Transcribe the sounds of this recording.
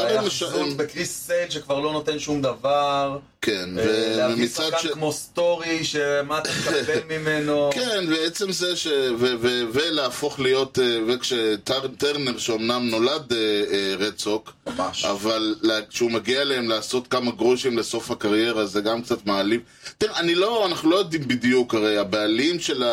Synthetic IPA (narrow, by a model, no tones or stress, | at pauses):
aimeʃabekʁisːedʃekvaʁlo̞not̪enʃumd̪avaʁ | kʰenvevemmit͡sadʃkmost̪oʁiʃemat̪akabelmimenokenveet͡se̞mzeʃeveveveleːfo̞χlijo̞tevekʃett̪eʁneʁʃeomnamno̞ladeʁet͡sokaʃa̰valːʃeumaɡialeemlaːso̞t̪kamaɡʁoʃimle̞so̞fhakaʁje̞ʁazeɡamkt͡sat̪maːlif | t̪iʁeanilo̞anaχnulo̞jo̞dimbidjukaʁejabealimʃe̞la